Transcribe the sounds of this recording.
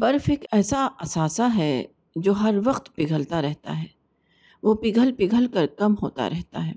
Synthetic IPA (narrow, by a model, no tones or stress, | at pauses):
bɐɾfeːkɛːsaɐsaːsaɦɛ | d͡ʒoːɦɐɾʋɐqt̪pɪɡʱəlt̪aɾɛɦt̪a̰ɦɛː | ʋoːpɪɡʱəlpɪɡʱəlkɐɾkɐmɦoːt̪a̰ɾʔɛɦt̪a̰ɦɛː